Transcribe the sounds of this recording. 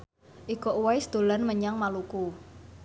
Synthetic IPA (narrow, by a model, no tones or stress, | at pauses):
ʔikɔʔuwaisd̪̥o̤lanməɲaŋmaluku